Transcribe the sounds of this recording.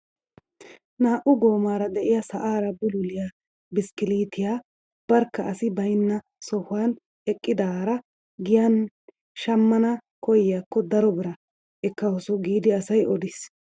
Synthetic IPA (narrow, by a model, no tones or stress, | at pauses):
naːʔʊɡoːmaːɾɐd̪ɛʔɪjɐsɐʔaːɾɐbʊlʊlɪjaː | bɪskɪliːt̪ɪjaː | b̥ɐɾkːɐɐsɪbɐjnːɐ | sɔhʊan | ɛkʼːɪd̪aːɾɐ | ɡɪjɐn | ʃɐmːɐnɐkɔjɪjaːkːɔd̪ɐɾɔbɪɾɐ | ɛkːɐwɔsʊɡiːd̪ɪɐsɐjʔɔd̪ɪs